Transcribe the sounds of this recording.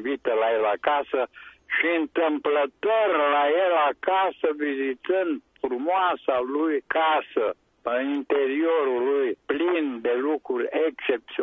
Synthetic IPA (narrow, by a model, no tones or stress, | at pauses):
vit̪əlaelakasəʃiɨnt̪ɨmplət̪orlajelakasəvizit̪ɨnd̪frumoasalujkasə | əint̪eɾioɾulujplind̪elukɾurʲekt͡ʃep̚t̪si